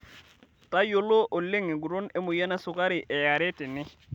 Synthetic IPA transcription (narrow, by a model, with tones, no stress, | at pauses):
ta˦jo˨lo˦ʔo˨lːe˦ŋɪ˨ɡu˨ɾo˦nɛ˦mʊ˨ja˦na˦sʊ˨ka˦ɾɪ˨ʔɛ˨ja˨ɾɛ˦tɪ˨nɪ˦